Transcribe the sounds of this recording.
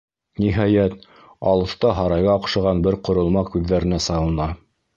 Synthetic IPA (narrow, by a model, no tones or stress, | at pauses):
niɦɑjæt̪̚ | ɑlˠɤ̆θt̪ɑɦɑɾɑjʁɑːqʃɤ̆ʁɑnbɘɾqŏɾŏlˠmɑkʉðːæɾɘ̆næsɑwɤ̆nɑ